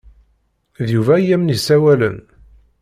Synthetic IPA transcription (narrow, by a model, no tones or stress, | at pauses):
ðjuvæjæmnisæwælə̰n